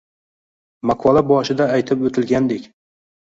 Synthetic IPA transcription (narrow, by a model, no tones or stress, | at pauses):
maqʰɒlˠabɒʃɪd̪aːjt̪ʰɪpot̪ʰɪlɡʲand̪ekʲ